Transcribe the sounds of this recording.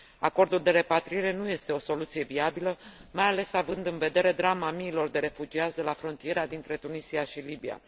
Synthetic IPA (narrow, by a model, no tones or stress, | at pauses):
a̰ko̞rd̪uld̪e̞ɾe̞pat̪ɾiiɾe̞nuje̞st̪e̞o̞so̞lut̪sije̞viabiləmajale̞savɨnd̪ɨnve̞d̪e̞ɾe̞d̪ɾamamiːlo̞rd̪e̞ɾe̞fud͡ʒiat̪sʲd̪e̞lafɾo̞nt̪ije̞ɾead̪int̪ɾe̞t̪unisiaʃilibia̰